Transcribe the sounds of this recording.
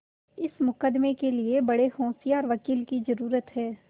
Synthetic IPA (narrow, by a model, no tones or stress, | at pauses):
ɪsmʊkəd̪mekeliebɐɽehɔ̃ːsijaɔːɾʋɐkiːlkizɐɾuːɾət̪ɦɛː